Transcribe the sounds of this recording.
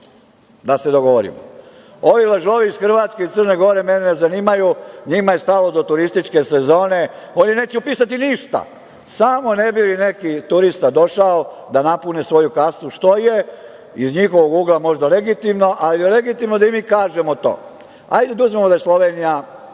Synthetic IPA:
d̪ase̞d̪o̞ɡoʋoɾḭmo̰ | o̞ʋilaʒo̞ʋiiz̥xr̩ʋat̪skeit̪ərneɡo̞ɾe̞menenezaniːmajuɲimaje̞st̪alo̞d̪o̞t̪uɾist̪it͡ʃke̞sezo̞ːne̞ | oːnine̞ːt͡ɕeupiːsat̪iniʃt̪a̰ | saːmo̞ne̞biline̞kit̪uɾist̪ad̪o̞ʃaod̪anapune̞sʋo̞jukasnuʃt̪o̞je | izɲixo̞ʋoɡuːɡlamo̞ʒd̪ale̞ɡit̪imno̞ʔalijele̞ɡit̪imnod̪aimiːkaːʒe̞mot̪o̞̰ː | a̰jd̪ed̪uzmemod̪ajeslˠo̞ʋenija

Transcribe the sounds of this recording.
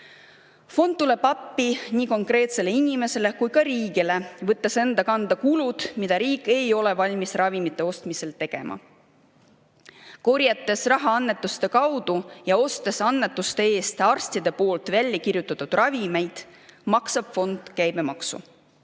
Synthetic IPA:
fo̞nd̪̥̚t̪ule̞b̥ɑpːiniːko̞ŋkre̞ːt̪se̞le̞inime̞se̞le̞kujkɑɾiːɡile̞vɤt̪ːˑese̞nd̪ɑkɑnd̪̥ɑkulud̪̥mid̪̥ɑɾiːkːˑe̞jo̞le̞vɑlʲmisrɑvimit̪ːˑe̞o̞st̪mise̞lt̪e̞ɡ̥e̞̰mʔɑ̰ | ko̞rjɑt̪ːˑe̞srɑɦɑɑnːe̞t̪ːˑust̪e̞kɑwd̪̥ujɑo̞st̪e̞sɑnːet̪ːˑust̪e̞eːst̪ɑrst̪id̪̥e̞po̞ːlt̪vælʲːjɑkirjut̪ːˑɑt̪ːud̪̥rɑvime̞jd̪̥mɑksɑb̥fo̞nd̪̥kæjb̥e̞mɑksṵ

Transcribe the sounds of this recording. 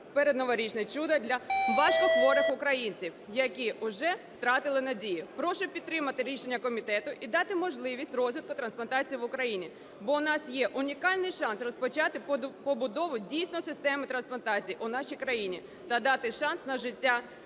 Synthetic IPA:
peɾed̪nɔʋɔɾʲit͡ʃnɐt͡ʃud̪ɐd̪ʲlʲɐʋɑʃkɔxʋɔɾɪxʊkɾɐjinʲt͡sʲiwjɐkiʔʊʒɛwt̪ɾɑt̪ɪlˠɪnɐdʲijipɾɔʃʊpʲid̪t̪ːɾɪmɐt̪ɪɾʲiʃenʲːɐkɔmʲit̪ɛt̪ʊʔid̪ɑt̪ɪmɔʒlˠɪʋʲisʲtʲrɔzʲʋʲit̪kʊt̪ɾɐnsplˠɐnt̪ɑt͡sʲijiʋʊkɾɐjinʲi | bɔʊnɑsjɛʔʊnʲikɑlʲnɪjʃɑnsrɔspɔt͡ʃɑt̪ɪppɔbʊd̪ɔʋʊdʲijsʲnɔsɪst̪ɛmɪt̪ɾɐnsplˠɐnt̪ɑt͡sʲijʔʊnɑʃijkɾɐjinʲi | t̪ɐd̪ɑt̪ɪʃɑnsnɐʒɪtʲːa

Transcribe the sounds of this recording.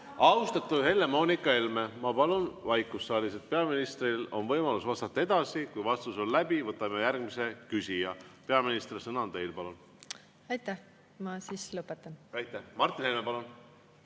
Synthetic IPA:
ɑust̪ɑt̪ːˑuhe̞lːe̞mo̞ːnikːˑɑe̞lme̞mɑpɑlunvɑjkːˑusːɑːliset̪̚pe̞ɑminist̪rilo̞nvɤjmɑlusvɑst̪ɑt̪ːɑe̞d̪ɑsikujvɑst̪uso̞llæbivɤt̪ːˑɑmejærɡmise̞kysʲijɑpe̞ɑminist̪resɤnɑnt̪e̞jlpɑlun | ɑjt̪ːæh | mɑsislɤpːˑet̪ˑːɑnɑjt̪ːˑæhmɑrt̪ːˑinhe̞lmepɑlun

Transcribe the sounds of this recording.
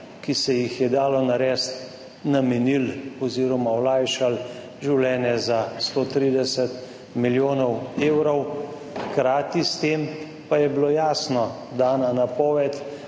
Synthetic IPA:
kisɛjixjɛd̪aːlɔnaɾɛst̪ | namɛnilɔziːɾɔmaɔlaːjʃal | ʒiwlɛːnjɛzast̪oːt̪ɾiːd̪ɛsɛt̪ | miljoːnɔweːwɾɔw | xkɾaːt̪ist̪eːm | pajɛbloːjaːsnɔ | d̪aːnanapɔːʋɛt̪

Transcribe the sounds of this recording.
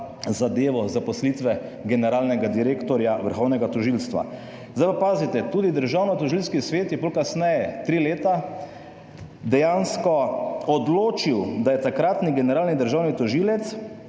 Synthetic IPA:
zad̪eːʋɔzapɔslit̪ʋɛɡɛnɛɾaːlnɛɡad̪iɾeːkt̪ɔɾjaʋəɾxɔwnɛɡat̪ɔʒilst̪ʋa̰ | zd̪ajʋapaːzit̪ɛt̪uːd̪id̪əɾʒaːwnɔt̪ɔʒilskisʋeːt̪jɛpolkasnɛjɛt̪ɾiːleːt̪a | d̪ɛjanskɔɔd̪loːt͡ʃiwd̪ajɛt̪akɾat̪niɡɛnɛɾaːlnid̪əɾʒaːwnit̪ɔʒiːlɛt̪s

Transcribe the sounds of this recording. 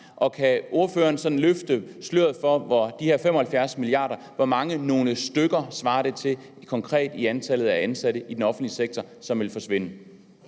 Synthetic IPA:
ʔɒ̽kʰæʔo̝ɐføːɐːnsɒ̽d̥n̩løfd̥əsløɐð̩ˠfɒʋɒd̥ihe̝ɐ̰femɒ̽hælfjæɐsmiliɑ̰̈ːɾ̥ɐ | ʋɒmɑ̈ŋəno̝ːləsd̥øɡ̥ɐsʋɑ̈ːɾ̥et͡sʰe̝l | kʰɒ̽ŋkʰʁɛ̰ːd̥iænt͡sʰæl̰ð̩ˠæænsæɾ̥əʔid̥enɒ̽fn̩d̥liseɡ̥̚t͡sʰɒ | sɒ̽mʋe̝lfɒ̽sʋe̝n̰ə

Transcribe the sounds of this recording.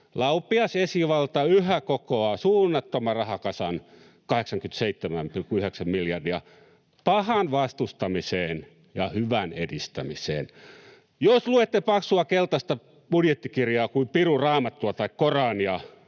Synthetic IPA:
lɑupːˑiɑsesiʋɑlt̪ɑyhækokoɑsuːnːɑt̪ːomɑrɑhɑkɑsɑn | kɑheksɑŋkyt̪seit̪ːemæmpilkuyheksæmmiljɑrdiɑ | pɑhɑnʋɑst̪ust̪ɑmiseːn | jɑhyʋænedist̪æmisḛːn | josluet̪ːepɑksuɑkelt̪ɑst̪ɑ | b̥udjet̪ːikirjɑːkuimpirurɑːmɑt̪ːuɑt̪ɑikkorɑːnjɑ

